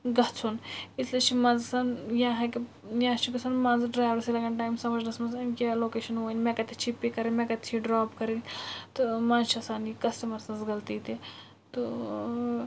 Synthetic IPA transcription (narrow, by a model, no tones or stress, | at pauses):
ɡɐt͡sʰunislit͡ʃʰimɐnzsɐnjãːɦɐki | jjãːt͡ʃʰiɡɐsɐnmɐ̃nzɖɾaːjʋɐɾsilɐɡɐnʈaːjmsɐmɐd͡ʒnɐsmɐzɐnkʲeloːkeːʃɐnoːnʲmẽkɐt̪ʰet͡ʃʰipːikɐɾinmẽkɐt̪ʰt͡ʃʰiɖɾaːpkɐɾint̪ɨmãnzt͡ʃʰiɐsaːnikɐsʈɐmɐɾsɐ̃nzɡɐlt̪iːt̪e | t̪u